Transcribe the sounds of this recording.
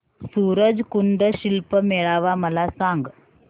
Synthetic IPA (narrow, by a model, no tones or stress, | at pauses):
suːɾəd͡ʒkuɳɖ̪əɕilpəmeɭaːʋaməlasãŋɡ